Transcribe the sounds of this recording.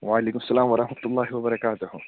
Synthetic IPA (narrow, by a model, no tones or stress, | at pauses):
waʕaleːkʊmɐsːɐlaːmwɐɾˤɑħmɐt̪ʊlˤːɑːɦɪwɐbɐɾɐkaːt̪ʊhʊ